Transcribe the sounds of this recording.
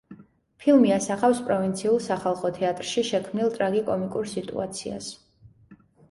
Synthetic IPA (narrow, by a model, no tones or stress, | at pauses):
pʰilˠmiasaχafspʼɾɔvint̪sʰiulˠsaχalˠχɔt̪ʰɛat̪ʼɾʃiʃɛkʰmnilˠt̪ʼɾaɡikʼɔmikʼuɾsit̪ʼṵat̪sʰia̰s